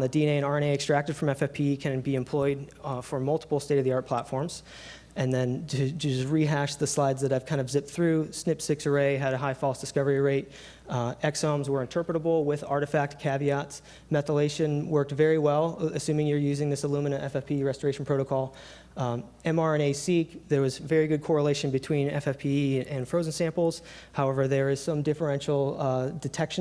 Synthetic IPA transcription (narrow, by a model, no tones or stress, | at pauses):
nðɨdĩneɪɨ̃ñɑɹɨ̃neɪɨkstɹ̥æk̚tɨd̥fɹʌ̃mɛfɛpʰikʰɨ̃nbiɨ̃mpʰl̥ɔɪd̚fə˞mʌlˠtʰə̥pl̩ˠsteɪɾʌvðiɑɹt̚pʰl̥ætfɔɹmz̥ | ʔɨ̃nðɨ̃ntɨsɹiɦæʃðɨslaɪdzðɨɾaɪv̥kʰãɪ̃ndʌvzɪp̚t̪θɹʉsnɪpsɪksə˞eɪɨɾɨɦaɪfɔlˠsd̥ɨskʌvə˞iɹeɪt̚ | ɛksõmzwə˞ɨ̃ntʰɜ˞pɹəɾəbl̩ˠwɪðɑ̰ɹɾɨfæk̚t̚kʰæviɑts | mɛθəleɪʃɨ̃nwɜ˞k̚tvɛɹiwɛlˠɨsʉ̃mɪ̃ŋjə˞jʉzɪ̃ŋðɪsəlumɨnɨɾɛfɛfpʰiɹɛstə˞eɪʃn̩pʰɹ̥oʊɾəkʰɔlˠ | ɛ̃mɑɹɛ̃neɪsikðə˞wʌzvɛɹiɡʊd̚kʰɔɹəleɪʃɨ̃nbɨtʰw̥ĩnɛ̰fɛfpʰiɨ̃nfɹoʊzn̩sæ̃mpl̩ˠz̥haʊɛvə˞ðə˞ɪz̥sʌ̃mdɪfə˞ɛ̃nʃl̩ˠdɨtʰɛkʃɨ̃